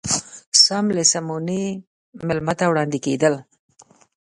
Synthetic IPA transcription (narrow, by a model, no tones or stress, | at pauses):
samlesamune | mɪlmat̪awɽɑnd̪iked̪əl